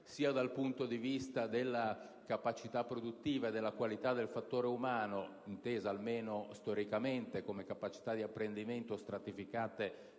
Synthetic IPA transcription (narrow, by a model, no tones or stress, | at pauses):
siːad̪alpunt̪od̪ivist̪ad̪elːakapat͡ʃit̪apːɾod̪ut̪ːiːvaed̪ːelːakwalit̪ad̪ːelfat̪ːoːɾeumaːno | int̪eːzaːlmeːnost̪ɔɾikament̪ekomekapat͡ʃi̥t̪ad̪ːiapːɾend̪iment̪ost̪ɾat̪ifikaːt̪e